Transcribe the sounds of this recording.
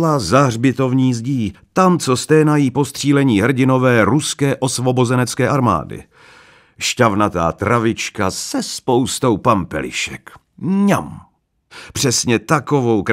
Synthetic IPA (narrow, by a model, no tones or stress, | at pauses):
lazaɦrbɪt̪o̞vɲiːzɟiːt̪amt͡sost̪ɛːnajiːpo̞st̪r̝̥iːlɛɲiːɦr̩ɟɪno̞vɛːɾuskɛːʔo̞svo̞bo̞zɛnɛt͡skɛːʔaɾma̰ːdɪ̰ | ʃcavnat̪a̰ːt̪ɾavɪt͡ʃkasɛspo̞wst̪o̞wpampɛ̰lɪ̰ʃɛ̰k | ɲam | pr̥ɛsɲɛt̪ako̞vo̞wk